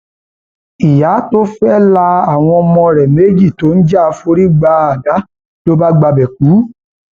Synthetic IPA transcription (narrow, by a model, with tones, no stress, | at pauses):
i˨ja˨˦to˦fɛ˦la˧a˦˨w̃ɔ̃˧ɔ˧mɔ̃˧ɾɛ˨me˨˦d͡ʒi˦˨to˨˦n̩˦d͡ʒa˦˧fo˧ɾi˦ɡ͡ba˧a˨ɡa˨˦ | to˦ba˦ɡ͡ba˧bɛ˨k̚u˨˦